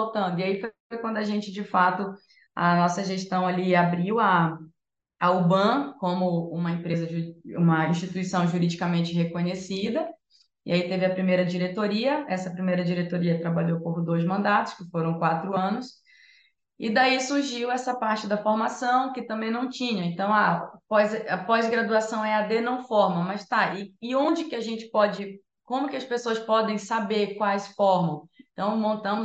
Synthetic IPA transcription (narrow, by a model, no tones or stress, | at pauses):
owt̪ɐ̃nd̪ʊiaifo | jkwɐ̃nd̪ʊaʒẽnt͡ʃɪd͡ʒɪfat̪ʊ | ɐ̰nɔsɐʒeʃt̪ɐ̃w̃aliabɾiwɐː | ubɐ̃kõmʊũmɐẽpɾezɐṵ̃mɐĩʃt͡ʃit̪uisɐ̃w̃ʒuɾid͡ʒikɐmẽnt͡ʃɪɦekõɲesid̪ɐ | ɪait̪evɪɐpɾimejɾɐd͡ʒiɾet̪oɾiɐɛsɐpɾimejɾɐd͡ʒiɾet̪oɾiɐt̪ɾabaʎowkohd̪ojzmɐ̃nd̪at̪ʊ̥skɪfoɾɐ̃w̃kwat̪ɾʊɐ̃nʊs | ɪd̪aisuɾʒiwɛsɐpaɾt͡ʃɪd̪ɐfoɾmasɐ̃w̃kɪt̪ɐ̃mbẽj̃nɐ̃w̃t͡ʃĩɲɐẽnt̪ɐ̃w̃apɔjzɛɐpɔzɡɾad̪uasɐ̃w̃ɛad̪enɐ̃w̃fɔɾmɐmɐst̪aɪɪõnd͡ʒɪkɪaʒẽnt͡ʃɪ̥pɔd͡ʒɪ | kõmʊkɪɐspesoɐspɔd̪ẽj̃sabeɾkwajsfɔɾmɐ̃w̃ẽt̪ɐ̃w̃mõnt̪ɐ̃mʊ